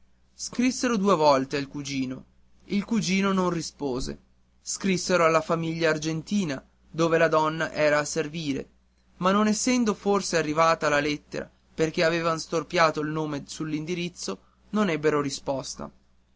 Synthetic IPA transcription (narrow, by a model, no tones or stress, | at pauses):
skɾisːeɾod̪uːevɔlt̪eailkud͡ʒiːno | ilkud͡ʒiːnononrispoːzḛ | skɾisːeɾoalːafamiʎːaːrd͡ʒent̪iːna | d̪oːvelad̪ɔnːa̰ʔɛːɾaːserviːɾḛ | manːonesːɛnd̪oforsearːivaːt̪aːlːalet̪ːḛɾa̰ | perkeaveːvanst̪orpjaːt̪oilnoːmesulːind̪iɾit̪sːo | nonɛbːeɾoɾispɔst̪a̰